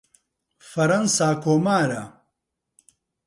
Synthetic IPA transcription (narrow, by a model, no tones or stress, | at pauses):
fɐɾɐnsaːkoːmaːɾɐ̰